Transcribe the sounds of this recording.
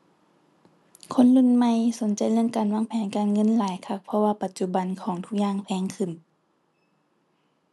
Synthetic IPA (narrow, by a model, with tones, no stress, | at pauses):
kʰo˧˥˨nlu˧˥˨nma˧˨jso˨˦nt͡ɕa˨˩jlɯ˧˥ə˨ŋkaː˨˩nwaː˧˥˨ŋpʰɛː˨˦nkaː˨nŋɤ˧˥˨nlaː˨˦jkʰa˧˩k̚pʰɔ˧waː˧pa˨˧t̪̚t͡ɕu˧ba˨nkʰɔː˩˦ŋt̪ʰu˧k̚ɲaː˧˨ŋpʰɛː˨˧˦ŋkʰɯ˧˩˨n